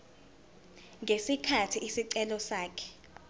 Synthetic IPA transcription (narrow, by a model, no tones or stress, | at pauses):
ŋɡʱesikʰatʰiʔisiǀɛlɔsaːkʰɛ̥